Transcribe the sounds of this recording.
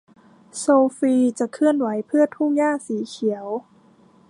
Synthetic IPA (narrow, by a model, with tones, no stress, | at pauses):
soː˧fiː˧t͡ɕa˨˩kʰːɯ˥˩ənwa˩˦jpʰɯ˥˩ɐt̪ʰu˥˩ŋjaː˥˩siː˩˦kʰi˩˦əw